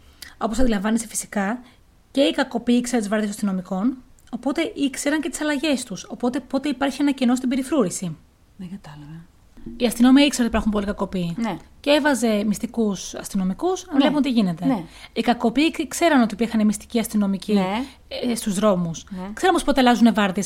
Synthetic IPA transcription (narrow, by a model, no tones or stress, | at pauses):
o̞posɐnd̪ilɐɱvɐnesefi̥si̥kɐ | ce̞ikɐko̞piikseɾɐt̪izvɾɐɾðisɐst̪ino̞miko̞no̞po̞t̪e̞ʔikse̞ɾɐɲcet̪i̥sɐlɐʝe̞st̪uso̞po̞t̪e̞po̞t̪e̞ipɐɾçie̞nɐceno̞st̪ibe̞ɾifɾuɾisi | ðeɡɐt̪ɐlɐve | iɐst̪ino̞miɐikseɾot̪ipɐxumpo̞likɐko̞piːnceevɐze̞mist̪ikusɐ̰st̪ino̞mikusɐnlepunot̪iʝine̞t̪e̞ikɐko̞pikse̞ɾɐno̞t̪ipiɾxɐnemist̪i̥ciɐst̪ino̞mici | st̪uzðɾo̞muskseɾnomospo̞t̪elɐzune̞vɐɾðies